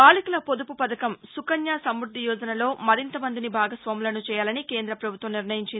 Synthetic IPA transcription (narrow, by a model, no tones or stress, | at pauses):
aːlikulɐpod̪upupɐd̪ɐkɐmsukɐnjaːsɐmɾud̪ʱːijɔːd͡ʒɐnɐlo̞ːmɐɾint̪ɐmɐnd̪inibʱaːɡɐsʋaːmulɐnut͡ʃɛːjaːlɐnike̞ːnd̪ɾɐpɾɐbʱut̪ʋɐmniɾnɐjiɲt͡ʃind̪